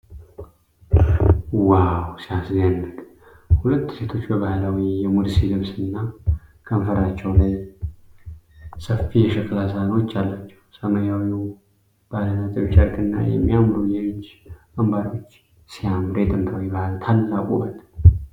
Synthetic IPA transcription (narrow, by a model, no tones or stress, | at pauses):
wawsijaszanːəkʼ | hulət̪ːset̪ʰo̞t͡ʃːbəβahlawijɛmud̪sidɨmsɨnːakʰəmfəɾat͡ʃːɛwlaj | səfːijɛʃɪkʼlasanwot͡ʃːalːat͡ʃːɛwsəməjawi | b̥alənat̪ʼɨβʃaɾkɨnːa̰jɛ̰mːijamɾujɛmɨt͡ʃː | ambaɾiwo̞t͡ʃː | sijamɨɾet̪ʼɨnt̪ʰawibahlt̪ʰalːakʼṵbət̪ʼ